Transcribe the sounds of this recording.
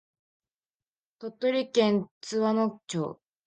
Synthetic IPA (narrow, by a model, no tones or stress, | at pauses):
t̪ot̪ːoɾʲikẽnt͡sɨβanokt͡ɕo̰ː